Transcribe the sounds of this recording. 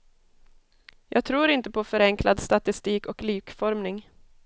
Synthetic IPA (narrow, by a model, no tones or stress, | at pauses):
jɑ̰ːɡt̪ʰɾuːɾɪnt̪əpʰɔfœɾɛŋkʰlad̪st̪at̪ɪst̪iːkɔklyːkfɔɾmnɪŋ